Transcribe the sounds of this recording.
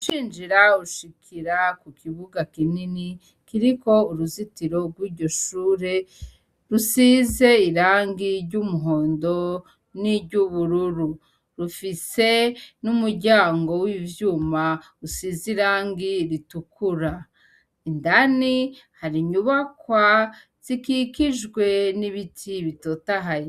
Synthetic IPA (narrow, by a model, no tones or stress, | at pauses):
uʃiːnd͡ʒiɾauʃikʰiɾakukʰiβuɡakinini | kiɾiko̞uɾuzitiɾo̞ɡwiːɾɟo̞ʃuːɾe̞ | ɾusize̞iɾaːŋɡiɾɟumuɦo̞ːndo̞ | niɟuβuɾuɾu | ɾufise̞numuɾɟaːŋɡo̞wivjuːma | usiziɾaːŋɡiɾitukuɾa | indanihaɾiɲuβakwa | z̥ikikiʒɡwe̞niβitʰiβitoːtaɦaji